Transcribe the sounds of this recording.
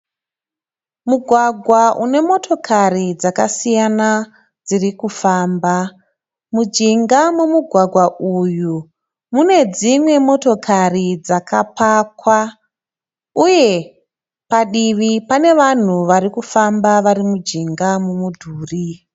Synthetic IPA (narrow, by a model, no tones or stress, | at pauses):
muɡʱwaɡʱwaʔune̞mo̞to̞kʰarid͡zakasijana | d͡zirikufaːmba | mud͡ʒiŋɡamumuɡʱwaɡʱwaʔuju | mune̞d͡zimwe̞mo̞to̞kʰarid͡zakʰapakwa | uje̞ | paɗiʋipane̞ʋan̤uʋaɾikufambaʋaɾimud͡ʒiŋɡamumudʱuːri